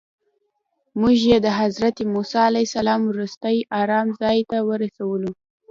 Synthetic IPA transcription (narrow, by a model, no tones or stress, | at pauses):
muʒjed̪əɦazɾat̪emusɑalajsalɑmɾust̪əjɑɾɑmzɑjt̪awəɾasawəlu